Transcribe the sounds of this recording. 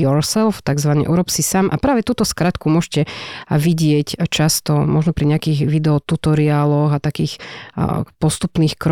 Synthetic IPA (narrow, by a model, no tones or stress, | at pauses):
ɔɾsɛlft̪aɡzʋanɛ̰ʔuɾɔpsisaːmʔa̰pɾaːʋɛt̪uːt̪ɔskɾat̪kumʊɔʒcɛʋiɟɪɛct͡ʃast̪ɔmɔʒnɔpɾiɲɛakiːɣʋid̪ɛɔt̪ut̪ɔɾiaːlɔɣat̪akiːx | pɔst̪upniːxkɾɔ